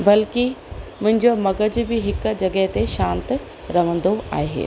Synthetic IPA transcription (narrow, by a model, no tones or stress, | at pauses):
bɐlkimʊ̃ɦɪ̃ɲd͡ʑomɐɡəd͡ʑbɪɦɪkd͡ʑɐɡəɦt̪eʃãːnt̪ | ɾɐʋ̤ə̃nd̪oa̰ːɦḛː